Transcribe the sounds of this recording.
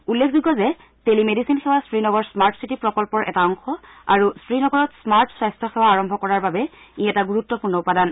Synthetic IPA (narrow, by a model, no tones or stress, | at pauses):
ulːekʰziɡɔzɛ | telimedisinxewastɹinɔɡɔɹsmaɹtsitipɹɔkɔlpɔɹʔɛ̰taɔŋxɔ | a̰ɹustɹinɔɡɔɹɔtsmaɹtsajstʰɔxewaːɹɔmbʱɔkɔɹaɹbabɛ | iɛtaɡuɹutːɔpuɹnɔupadan